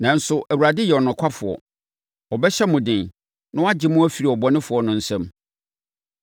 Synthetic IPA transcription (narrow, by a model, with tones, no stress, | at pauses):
nã˨n̩˦sʊ˨ʔæ˨wu˨ɾa˨dɪ˦jɛ˨ɔ˨nʊ̃˨kʷʰa˦fʊ˨ɔ̰˨ | ɔ˨bɛ˦ɕɛ˦mʊ̃˨dɪ̃˨n | nã˦a˦d͡ʑɪ˨mʊ̃˦æ˦fi˨ɾi˨ɔ˨bɔ˦nɪ̃˦fʊ˨ɔ˦nʊ̃˨n̩˦sɛ̃˦m